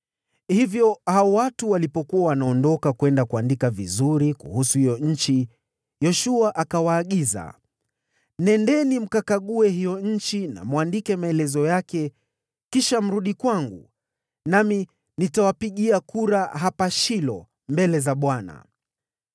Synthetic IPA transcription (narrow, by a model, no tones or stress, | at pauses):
hivjɔhaɔwatuwalipɔkuawanaɔndɔkakwɛndakuandikavizuɾikṵhusuhijɔɲ̩t͡ʃi | jɔʃuaʔakawaːɠiza̰ | nɛndɛnim̩kakaɠuɛɦijɔɲ̩t͡ʃina̰mwandikɛmaɛlɛzɔjakɛ | kiʃam̩ɾuɗikwaŋɡṵ | nami | nitawapiɠiakuɾaɦapaʃilɔ | mbɛlɛzaɓwana̰